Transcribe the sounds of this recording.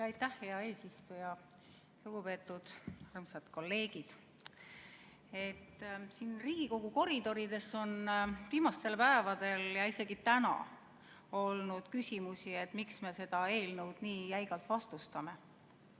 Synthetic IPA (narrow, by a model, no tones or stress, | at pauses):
jɑjt̪ːæhhe̞ɑe̞ːsist̪ujɑ | luɡ̥upe̞ːt̪ːˑud̪̥ærmset̪ko̞lːe̞ːɡ̥id̪̥ | e̞t̪ːsiːnriːɡ̥iko̞ɡ̥uko̞ɾid̪̥o̞ɾid̪e̞sːo̞nviːmɑst̪e̞lpæevɑd̪̥e̞ljɑise̞ɡ̥it̪ænɑ̰ | o̞lnud̪̥kysʲimusie̞t̪ːˑmiksme̞se̞d̪̥ɑe̞ːlnɤwd̪̥niːjæjɡ̥ɑlt̪vɑst̪ust̪ɑme̞